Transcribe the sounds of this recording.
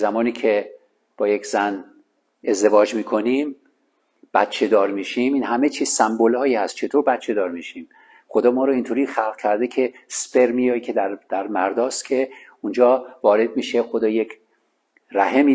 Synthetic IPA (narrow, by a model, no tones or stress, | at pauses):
zæmɒːniːcʰe̞ | b̥ɒːje̞kzæn | e̞zd̪e̞vɒːd͡ʒmiːkʰo̞niːm | b̥æ̰t̪̚t͡ʃʰe̞d̪ɒːɾmiːʃiːmiːnɦæme̞t͡ʃʰiːzsæmbolhɒːjiːhæst̪̚t͡ʃʰe̞t̪ʰoɾbæt̪t͡ʃʰe̞d̪ɒːɾmiːʃiːm | xo̞d̪ɒːmɒːɾoint̪ʰoːɾiːxælɣkʰæɾd̪ecʰe̞sb̥e̞ɾmijɒːjcʲʰe̞d̪æɾd̪̥æɾmæɾd̪ɒːst̪kʰe̞und͡ʒɒːvɒːɾe̞d̪̚miːʃexo̞d̪ɒːjecʰ | ræɦemiː